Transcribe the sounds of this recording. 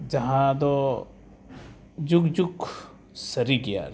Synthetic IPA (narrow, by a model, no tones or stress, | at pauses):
d͡ʒɐɦãd̪o | d͡ʒukd͡ʒuk | səɾiɡija̰ːɾ